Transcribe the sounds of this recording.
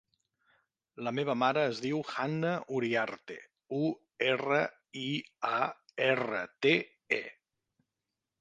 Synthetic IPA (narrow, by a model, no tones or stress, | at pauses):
ləmeβəmaɾəːzðiwxanːəʔuɾiaɾt̪ḛ | u | erə | iaerə̰t̪e | ḛ